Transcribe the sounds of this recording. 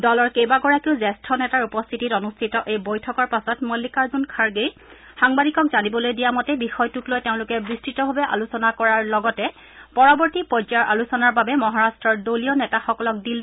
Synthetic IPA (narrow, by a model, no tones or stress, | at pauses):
dɔlɔɹkejbaɡɔɹakiʊzɛstʰɹɔnɛtaɹupɔstʰititɔnustʰitɔʔejbojtʰɔkɔɹpasɔtmɔlːikaɹzunkʰaɹɡej | xaŋbadikɔkzanibɔlojdijamɔtɛbixɔjtuklojteʊ̃lʊkɛbɹistʰitɔbʱabɛʔa̰lusɔnakɔɹaɹlɔɡɔtɛ | pɔɹɔbɔɹtipɔd͡ʒaɹʔa̰lusɔnaɹbabɛmɔɦaɹastɹɔɹdolijɔnɛtaxɔkɔlɔk̚dil